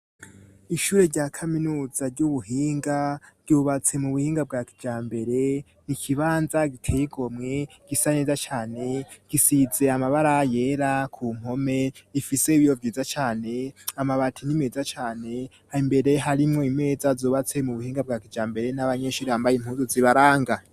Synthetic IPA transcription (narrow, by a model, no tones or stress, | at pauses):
iʃuːɾe̞ɾɟakʰaminuːz̥aɾɟuβuɦiːŋɡaɾɟuːβat͡se̞muβuhiːŋɡab̚ɡaki̥d͡ʒaːmbe̞ɾe̞ | nikʰiβaːnzaɡitʰejiɡo̞mŋe̞ | ɡ̥isane̞ːzat͡ʃaːne̞ɡ̥isize̞amaβaɾaje̞ːɾakʰuːm̥ho̞me̞ifise̞iβijovjiːzat͡ʃaːne̞amaβatʰinime̞ːzat͡ʃaːne̞ | haimbe̞ɾe̞ɦaɾimŋoime̞ːzazoːβat͡se̞muβuhiːŋɡab̚ɡakid͡ʒaːmbe̞ɾe̞naβaɲe̞ʃuːɾehambajemhuːnzoziβaɾaːŋɡa